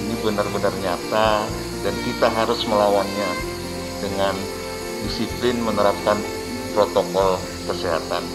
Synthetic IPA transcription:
inibənarbənarɲat̪a | dankit̪aɦaɾʊsməlawanɲa | dəŋan | disiplɪnmənəɾap̚kan | pɾot̪okɔl | kəsiɦa̰t̪an

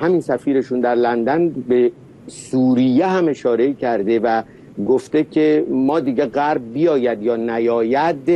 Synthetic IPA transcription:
hæminsæfiːɾe̞ʃund̪æɾlænd̪ænbe̞ | suːɾijeɦæme̞ʃɒːɾe̞icʰæɾd̪e̞væ | ɡoft̪e̞cʰemɒːd̪iːɟeɢæɾb̚bijɒːjæd̪jɒːnæjɒːjæd̪

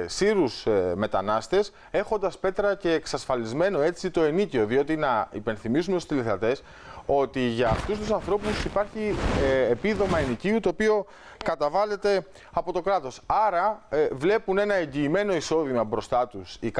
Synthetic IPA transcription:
siɾusme̞t̪ɐnɐst̪e̞s | e̞xo̞nd̪ɐspe̞t̪ɾɐce̞ːksɐsfɐlizme̞no̞e̞t͡sit̪o̞e̞nicio̞ðio̞t̪inɐḭpe̞nθimisumet̪ust̪iliθɐt̪e̞s | o̞t̪iʝɐːft̪ust̪usɐnθɾo̞pusipɐɾçiepiðo̞mɐiniciut̪o̞ːpio̞ | kɐt̪ɐvɐle̞t̪e̞ | ɐpo̞t̪o̞kɾɐt̪o̞sɐɾɐvle̞pune̞nɐe̞ɲɟiːme̞no̞iso̞ðimɐbɾo̞st̪ɐt̪usik

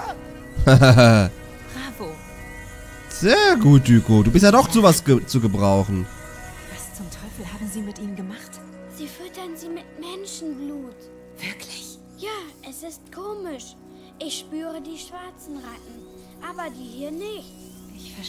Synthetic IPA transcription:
hɛ | ʁabo | z̥eːɐɡuːt̚d̥yːkʰoduːbɪstjadɔχt͡suːvasət͡suɡəbʁaʊχn̩ | v̥ast͡sʊmtʰɔʏfl̩haːbm̩ziːmɪtʔiːnənɡəmaχt | z̥iːfʏtɐnziːmɪtmɛnʃn̩bluːt | v̥ɪɐkʰlɪç | jaːʔɛsɪstkʰoːmɪʃ | ʔɪçʃpyːʁədiːʃv̥aɐt͡sn̩ʁatŋ̩ | ʔaːbɐdiːhiːɐnɪçt | ʔɪçfɛɐ

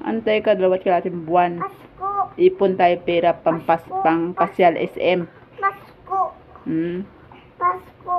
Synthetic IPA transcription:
ʔɐ̰nt̪ajkad̪ɐlɐwat̪̚kɐlaːt̪ɪŋbwan | ʔiːpʊnt̪aːjopɛːɾapɐmpaspɐŋpɐsjalʔɛ̰sʔɛm

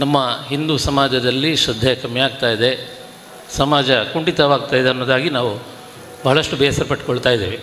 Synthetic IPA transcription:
nɐmːɐɦind̪usɐmaːd͡ʒɐd̪ɐlːiʃɾɐd̪ʱːjɐkɐmjaːɡ̚t̪aːjid̪e̞ | sɐmaːd͡ʒɐkuɳʈit̪ɐʋaːɡ̚t̪aːjid̪eɐnːoːd̪aːɡinaːʋu | bʱɐɦɐɭɐʂʈubʱɛjɐsɐɾpɐʈ̚koɭt̪aːjid̪eːʋi

